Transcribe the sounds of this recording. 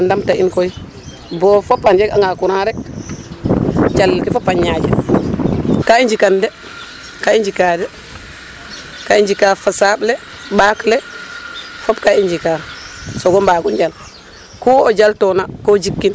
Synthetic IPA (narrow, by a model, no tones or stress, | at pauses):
andamtaʔinkoi | bɔfopːand͡ʒeka̰ŋɡakuɾaɾɛk | d͡ʒalkifopːaɲɲad͡ʒɛ | kaiɲd͡ʒikandɛ | kaind͡ʒikadɛ | kaiɲd͡ʒikafasablɛ | baklɛ | fobkaind͡ʒikasoɡɔmbaːkund͡ʒal | kuod͡ʒaltɔnakod͡ʒikːin